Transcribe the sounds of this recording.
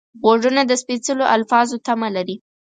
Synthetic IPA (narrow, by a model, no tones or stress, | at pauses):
ɣoʐunad̪əspit͡səloʔalfɑzot̪amalaɾi